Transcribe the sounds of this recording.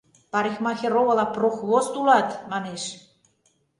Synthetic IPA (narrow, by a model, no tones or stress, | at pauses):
pɑɾixmɑxʲeɾoβə̆lɑproxβost̪ulɑt̪mɑneʃ